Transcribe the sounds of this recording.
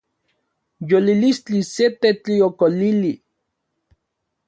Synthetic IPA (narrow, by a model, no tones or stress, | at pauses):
jolilist͡ɬiset̪et͡ɬiokolili